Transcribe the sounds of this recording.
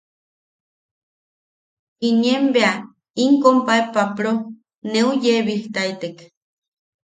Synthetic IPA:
injembea | iŋkompaepapɾo | neujeβiht̪ait̪ek

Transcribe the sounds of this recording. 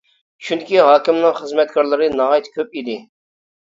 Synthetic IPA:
ʃʰunkʰʲiɦɑːkʲimnɨ̃χəzmɛt̪kʰɑɾlˠɨɾinɑɦɑːjt̪kʲʰøp̚id̪i

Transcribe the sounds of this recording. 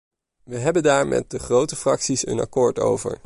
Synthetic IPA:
ʋəɦɛbəndaːɹmʔɛ̰t̚dəχrowtəfrɑksisə̰nɑ̰kʊːɹto̰wvə̰ɹ

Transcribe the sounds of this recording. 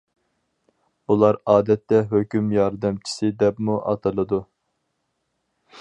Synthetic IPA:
bulˠɑɾɑːd̪ɛt̪ːɛɦøkʲymjɑɾd̪ɨmt͡ʃʰi̥sɪd̪ɛpmuʔɑ̰t̪ʰɨlˠɨd̪u

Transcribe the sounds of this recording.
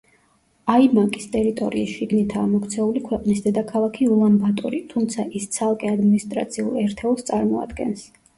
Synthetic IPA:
aimakʼist̪ʼɛɾit̪ʼɔ̰ɾiiʃiɡnit̪ʰaːmɔkt̪sʰɛulikʰwɛqʼnisd̪ɛd̪akʰalˠakʰiulˠambat̪ʼɔṵɾit̪ʰumt̪sʰaʔist̪sʰalˠkʼɛad̪minist̪ʼɾa̰t̪sʰiṵlˠɛɾt̪ʰɛlˠst̪sʼaɾmɔa̰d̪ɡɛ̰ns

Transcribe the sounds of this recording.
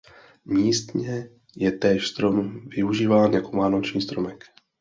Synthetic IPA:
miːst̪ɲɛ | jɛt̪ɛːʃst̪ɾo̞mvɪuʒiːvaːnjako̞maːnot͡ʃɲiːst̪ɾomɛk

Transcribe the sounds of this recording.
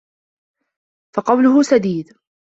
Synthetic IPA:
fɑqɑwlʊɦʊsad̪iːd̪

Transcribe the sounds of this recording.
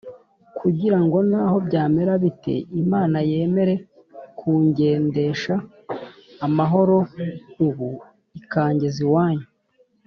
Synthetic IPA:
kʰuɟiɾaŋɡo̞naːho̞bɟaːme̞ɾaβite̞̰imaːnaje̞ːme̞ɾe̞ | kʰuːɲɟe̞ːnde̞ʃaː | maɦo̞ɾo̞uβu | ikaːɲɟeziwaːɲu

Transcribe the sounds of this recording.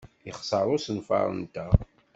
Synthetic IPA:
iχsˤəɾˤʊsənfɑ̰ɾˤə̰nt̪æ

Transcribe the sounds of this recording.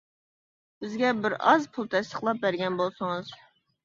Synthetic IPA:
b̥ɪzɡʲɛbɪɾɑzpʰulˠt̪ʰɛst̪əχlˠɑp̚bæɾɡʲɛnbolˠsʊŋɨz

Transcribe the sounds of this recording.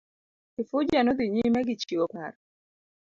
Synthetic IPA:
ɪfʊd͡ʒanɔd̪iɲimɛɡɪt͡ʃiopaɾ

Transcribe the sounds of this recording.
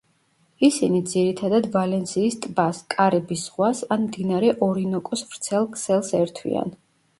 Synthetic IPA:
isinid̪ziɾit̪ʰad̪ad̪valɛnsiːst̪ʼbaskʼaɾɛbisʁwasanmd̪inaɾɛʔɔɾinɔkʼɔsvɾt̪sʰɛlˠkʰsɛlˠsɛɾt̪ʰwḭa̰n

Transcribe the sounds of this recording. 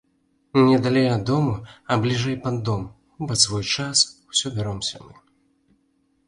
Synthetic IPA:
nʲɛd̪alʲɛjɐd̪ːɔmuɐblʲiʐɛjpɐd̪ːɔm | bɔsvɔjt͡ʂaswsʲɔbʲaɾɔmsʲɐ̰mɨ

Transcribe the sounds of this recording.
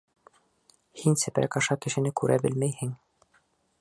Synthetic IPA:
hinsɘ̆pɾæ̰kɑʃɑkɘ̆ʃɘ̆nɘkʉɾʔæbɘ̰lmæjhɘŋ

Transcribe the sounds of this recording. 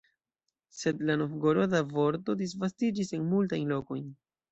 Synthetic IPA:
se̞dlano̞fɡoɾodavo̞ɾto̞dis̬vastid͡ʒisenmultajnlo̞ko̞jn

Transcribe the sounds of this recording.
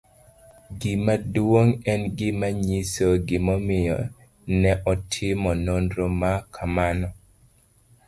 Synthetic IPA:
ɡɪmadwoŋɛnɡɪmaɲisoɡɪmɔmɪjɔ̰ | nɛʔɔtʰɪmɔnondɾomakʰamanɔ

